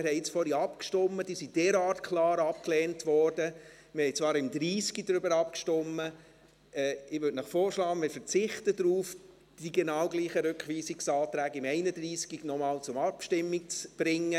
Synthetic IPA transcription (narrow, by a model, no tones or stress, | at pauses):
mɪɾɦɛɪɪt͡sfɔɾiɑpkʃtɔmːəd̥iːsid̥ɛːɾɑːrtkʰlɑːɾɑp̚klɛːntʋɔrd̥ə | mɪɾhɛjt͡svɑːɾɪmdɾiːskidɾʏbəɾɑpkʃtɔmːə | ɛːɪʋʏtnəχfɔːɾʃlɑːəmɪɾfəɾt͡sɪχtədɾuːf | d̥iɡɛnɑːwɡliːχəɾʉkχʋiːsɪksɑːtɾæːɡɪmɛɪnəd̥ɾiːskinɔmɑːlt͡sʊmɑpʃtɪmːik̚t͡sb̥ɾɪŋːə